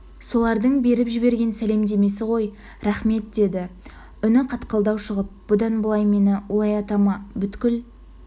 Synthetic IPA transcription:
so̞lˠɑɾd̪əɴbe̞ɾɪpʒɪbe̞ɾɡʲe̞nsæle̞md̪e̞me̞sɪʁo̞j | ɾɑχme̞t̪̚d̪e̞d̪ɪ | ʏnɪqʰɑt̪qəlˠd̪ɑwʃəʁəp̚b̥ʊd̪ɑnbəlˠɑjme̞nɪwolˠɑjɑt̪ɑmɑbʏt̪kʲɪl

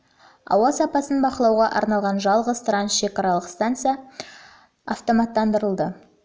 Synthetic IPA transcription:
ɑ̰wɑsɑpɑsənbɑqəlˠɑwʁɑʔɑ̰ɾnɑlˠʁɑnʒɑlˠʁəzt̪ransʃe̞kɑɾɑlˠəqst̪ant̪sɨjɑ | aft̪o̞mɑt̪ːɑnd̪əɾəlˠd̪ə

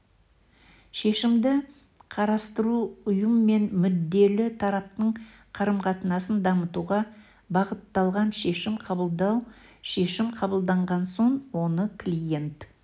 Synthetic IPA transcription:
ʃe̞ʃɪmd̪ɪ | qʰɑɾɑst̪əɾuʊjəmːe̞nmʏd̪ːe̞lɪt̪ʰɑɾɑp̚t̪əɴqʰɑɾəmqʰɑt̪ənɑsənd̪ɑmət̪uʁɑ | bɑʁət̪ːɑlˠʁɑnʃe̞ʃɪmqʰɑbəlˠd̪ɑwʃe̞ʃɪmqʰɑbəlˠd̪ɑɴʁɑnso̞ɴwo̞nəkʰlʲije̞nt̪

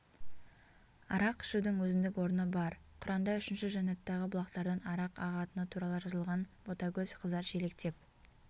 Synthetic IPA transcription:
ɑ̰ɾɑqɪ̥ʃud̪ɪŋwɵzɪnd̪ɪkwo̞ɾənəbɑɾqʰʊɾɑnd̪ɑʏʃɪnʃɪʒɑnɑt̪ːɑʁəbʊlˠɑqt̪ɑɾd̪ɑnɑɾɑqɑʁɑt̪ənət̪ʰuɾɑlˠəʒɑzəlˠʁɑnbot̪ɑkʲɵzqʰəzɑʃele̞k̚t̪e̞p̚

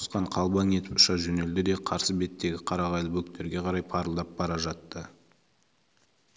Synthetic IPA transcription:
sqɑɴqʰɑlˠbɑŋe̞t̪ɪpʊ̥ʃɑʒɵne̞ld̪ɪd̪e̞qʰɑɾsəbe̞t̪ːe̞ɡʲɪqʰɑɾɑʁɑjlˠəbɵk̚t̪e̞ɾɡʲe̞qʰɑɾɑjpʰɑɾəlˠd̪ɑp̚bɑɾɑʒɑt̪ːə

